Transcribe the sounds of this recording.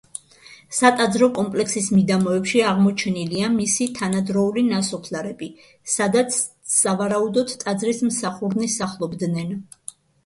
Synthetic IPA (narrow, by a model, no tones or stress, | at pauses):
sat̪ʼad̪zɾɔkʼɔmpʼlɛksismid̪amɔɛpʃiaʁmɔt͡ʃʰɛniliamisit̪ʰanad̪ɾɔulinasɔpʰlaɾɛbi | sad̪at̪sʰ | savaɾaud̪ɔt̪t̪ʼad̪zɾismsaχuɾnisaχlˠɔbd̪nɛn